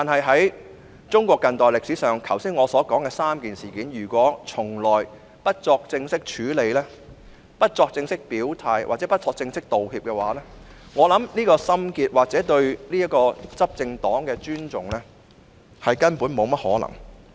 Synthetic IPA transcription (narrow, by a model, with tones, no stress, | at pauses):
t̪aː˨nhɐ˨jɦɐ˨˥j | t͡sʊ˥ŋkʷɔː˧kːɐ˧nt̪ɔː˨˩jlɪ˨ksi˨˥sœː˨˩ŋkʰɐ˨˩wsiː˥nŋɔː˨˧sɔː˨˥kɔː˨˥ŋkɛː˧saː˥mkiː˨nsiː˨˩kiː˨˥njyː˨˩kʷɔː˨˥t͡sʰʊ˨˩ŋlɔː˨j | pɐ˥t̚t͡sɔː˧k̚t͡sɪ˧ŋsɪ˥k̚t͡ʃʰyː˨˥le˨˧jlɛː˥ | pɐ˥t̚t͡sɔː˧k̚t͡sɪ˧ŋsɪ˥k̚piː˨˥wt̪ʰaː˧jwa̰ː˨˩t͡sɛ˨˦˥pɐ˥t̚t͡sɔː˧k̚t͡sɪ˧ŋsɪ˥k̚t̪o˨whiː˧p̚kɛː˧waː˨˥lɛː˥ | ŋɔː˨˧lɐ˨˥mniː˥kɔː˧sɐ˥mkiː˧t̚waː˨k̚t͡sɛː˨˥t̪ɵ˧ɥniː˥jɐ˥kɔː˧t͡sɐ˥p̚t͡sɪ˧ŋt̪ɔː˨˥ŋkɛː˧t͡ʃyː˥nt͡sʊ˨˩ŋlɛː˥ | hɐ˨jkɐ˥npuː˨˥nmo˨˧wmɐ˥t̚hɔ̰ː˨˥lɐ̰˨˩ŋ